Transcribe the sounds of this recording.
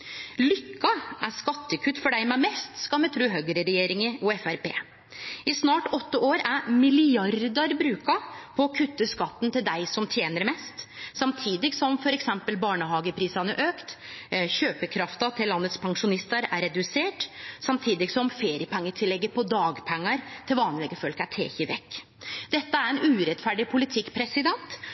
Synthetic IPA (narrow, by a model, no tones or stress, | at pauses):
lʏkːɑʔæskɑt̪ːəkʰʉt̪ːfɔɖæɪmæmɛst̪skɑmɛt̪ʰɾʉːɦøɡəɾəɾɛjeːɾɪŋəɔɛfæɾpeː | ɪsnɑːʈɔt̪ːəoːɾæɾmɪlɪɑɾd̪əɾbɾʉːkɑpʰɔːkʰʉt̪ːəskɑt̪ːn̩t̪ʰɪld̪æɪsɔmt̪ʰjeːnəɾmɛst̪sɑmt̪ʰiːd̪ɪɡsɔmfɔɾɛksɛmpəlbɑːɳəhɑːɡəpʰɾiːsɑnəʔøːkt̪çøːpəkʰɾɑft̪ɑt̪ʰɪlːɑnːət̪spʰɑŋʂʊnɪst̪əɾæ̰ɾɛd̪ʉseːʈsɑmt̪ʰiːd̪ɪɡsɔmfeːɾɪəpɛŋːət̪ʰɪlːɛɡːəɾpʰɔd̪ɑːɡpʰɛŋːɑɾt̪ʰɪlʋɑːnlɛɡəfɔlkæʈʰḛːçɪʋɛkː | d̪̥ɛt̪ːəæɾɛnʉːɾɛt̪fæɖɪpʰʊlɪt̪ʰɪkːpʰɾɛsɪd̪ɛnt̪